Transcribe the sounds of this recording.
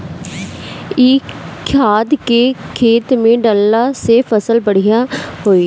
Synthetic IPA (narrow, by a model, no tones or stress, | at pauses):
iːkʰaːd̪keːkʰeːt̪mẽːɖəlːaːseːfʰəsəlbəɽijaːɦoːiː